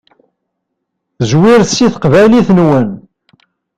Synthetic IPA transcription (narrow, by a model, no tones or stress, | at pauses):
zwiɾsiθqvæliθnwən